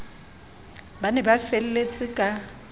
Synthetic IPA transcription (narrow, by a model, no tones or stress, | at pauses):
banɛbafelɛlet͡sʼɪkʼa